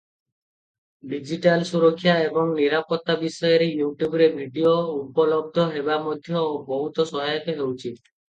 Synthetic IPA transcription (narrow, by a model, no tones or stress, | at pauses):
ɖid͡ʒiʈalsuɾokʰːjaebɔŋniɾapɔt̪ːabisɔjɔɾejuʈjubɾebʱiɖioupɔlɔb̚d̪ʱɔɦebamɔd̪ʱjɔobɔɦut̪ɔsɔɦajɔk̪eɦewt͡ʃʰi